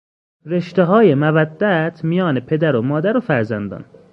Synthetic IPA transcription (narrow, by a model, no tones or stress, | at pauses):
ɾe̞ʃt̪eɦɒːjemævæd̪ːæt̪ʰmijɒːnepʰe̞d̪æɾomɒːd̪æɾofæɾzænd̪ɒ̰ːn